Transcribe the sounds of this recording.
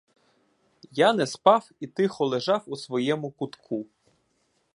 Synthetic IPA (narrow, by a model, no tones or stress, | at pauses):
janɛspɑwit̪ɪxɔlˠeʒɑwusʋɔjɛmʊkʊt̪kʰu